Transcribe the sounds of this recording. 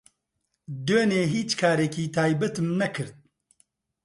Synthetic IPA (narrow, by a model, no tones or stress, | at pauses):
d̪øːneːɦiːt͡ʃkʰaːɾɛkʰiːt̪ʰaːjbɛt̪ɨmnɐkʰɨɾd̪̚